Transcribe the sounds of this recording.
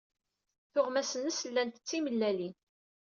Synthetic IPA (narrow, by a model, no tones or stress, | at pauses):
θʊʁmæsənəsəlːænt̪ə̥t͡sːiməlːælin